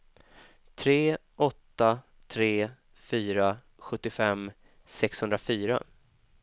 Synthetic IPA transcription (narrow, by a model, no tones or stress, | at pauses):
t̪ʰɾeː | ʔɔt̪ːa | t̪ʰɾeː | fyːɾa | ɧɵt̪ːɪfɛm | sɛkshɵnd̪ɾafyːɾa̰